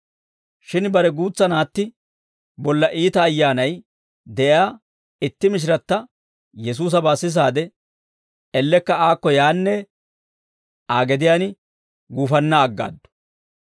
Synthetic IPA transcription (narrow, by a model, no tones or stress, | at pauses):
ʃɪnbɐɾɛɡuːt͡sːɐnaːt̪ːɪ | bɔlːɐʔiːt̪ɐːjːaːnɐj | d̪ɛʔjaː | ɪt̪ːɪmɪʃ̬ɪɾɐt̪ːɐ | jɛs̬uːs̬ɐbaːsːɪs̬aːd̪ɛ | ɛlːɛkːɐaːkːɔjaːnːɛ | aːɡɛd̪ɪjaːnɪ | ɡuːfɐnːɐːɡːa̰ːd̪ːɔ̥